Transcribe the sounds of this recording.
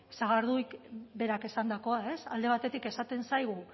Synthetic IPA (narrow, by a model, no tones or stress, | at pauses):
saɣaɾðuikbe̞ɾake̞sand̪ako̞ae̞sa̰ld̪e̞β̞at̪e̞t̪ike̞sat̪e̞nsajɣ̞u